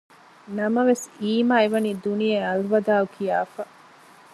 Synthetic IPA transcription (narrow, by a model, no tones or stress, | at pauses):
nɐmɐʋesiːmaːeʋɐniːd̪unijeɐlʋɐd̪aːukʰijaːfɐ